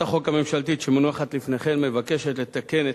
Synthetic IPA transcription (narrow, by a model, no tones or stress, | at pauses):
aχo̞kame̞mʃalt̪iʃemonuaχat̪lifneχe̞nmevake̞ʃet̪le̞t̪ake̞ne